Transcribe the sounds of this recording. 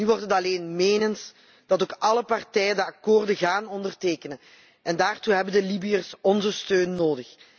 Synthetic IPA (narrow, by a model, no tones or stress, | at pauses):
nyʋɔrtɦətɑleːnmeːnənt | d̥ɑtoːkɑləpɑrtɛjəndəɑkoːrdəɣaːnɔndərteːkənən | ɛndaːrtuɦɛbəndəlibiərsɔnzəstøːnːoːdəx